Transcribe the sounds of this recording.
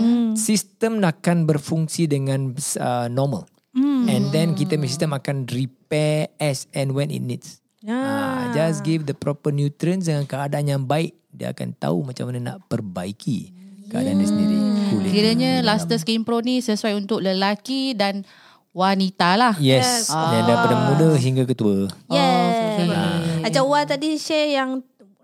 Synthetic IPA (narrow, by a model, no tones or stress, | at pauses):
sist̪əmnakanbərfuŋsidəŋãnsənɔmə̰l̩ | ɛ̃ndɛ̃nkit̪amɛsistəmakanripɛɛsɛ̃nwɛ̃nḭnnḭts | ad͡ʒasɡifdəpɾɔpənjut̪ɾiəns̬dəŋãnkəadaanjaŋbaɪk̚diə̰a̰ka̰nt̪a̰umat͡ʃamːanana̰ʔpərbaikʰḭkəa̰dandisiiulkiɾəɲə̃last̪əskimpɾonisəsuajunt̪ʊk̚ləlakidan | wanit̪alahjɛsdɛ̃dapadəmũdəɦiŋɡakət̪uəɛ | at͡ʃawat̪adiʃɛjaŋ